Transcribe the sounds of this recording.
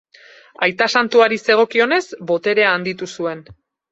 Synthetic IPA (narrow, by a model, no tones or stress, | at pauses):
ajt̪asant̪uaɾise̞ɣ̞o̞kio̞ne̞zbo̞t̪e̞ɾe̞aːnd̪it̪usue̞n